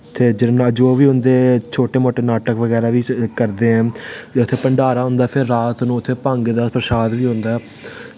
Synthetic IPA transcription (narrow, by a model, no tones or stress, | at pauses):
t̪ʰeːd͡ʒɪnaəd͡ʒoːʋiːɦʊ̃nd̪eːt͡ʃʰoːʈeːmoːʈeːnaːʈəkʋəɡɛːɾaːʋiːkəɾd̪eːɦɛ̃ːeʊt̪ʰːeːpəɳɖaːɾaːɦʊ̃nd̪aːpʰɪɾːaːt̪nũːʊt̪ʰːeːpãːŋɡed̪aːpɾəsaːd̪ʋiːɦʊ̃nd̪aː